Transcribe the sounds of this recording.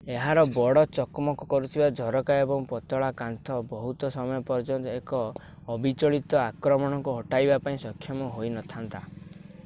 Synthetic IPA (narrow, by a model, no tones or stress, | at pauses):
eɦaɾɔbɔɽɔt͡ʃɔkmɔkɔkɔɾut̪ʰibad͡ʒʱɔɾɔkaebɔŋpɔt̪ɔɭakant̪ʰɔbɔɦut̪ɔsɔmɔjɔpɔɾd͡ʒɔnt̪ɔekɔː | bit͡ʃɔɭit̪ɔakɾɔmɔɽ̃ɔŋkuɦɔʈajbapaĩsɔkʰjɔmɔɦojnɔt̪ʰant̪a